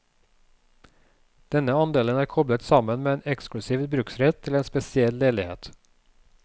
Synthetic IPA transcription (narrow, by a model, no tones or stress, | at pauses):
d̪̥ɛnːəɑnd̪eːlənæːɾkʰɔblət̪sɑmənmeːeːnɛksklʉsiːʋbɾʉksɾɛt̪ʰːɪleːnspɛsɪɛlːeːlɪhḛːt̪